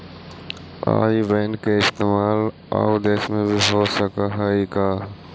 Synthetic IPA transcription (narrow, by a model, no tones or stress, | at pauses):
a̰ːiʋeːnkeɪst̪eːmaːl | a̰wd̪eːsmẽbʱiɦosəkaɦəikaː